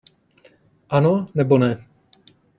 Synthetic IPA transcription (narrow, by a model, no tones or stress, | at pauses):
ʔanonɛbonɛ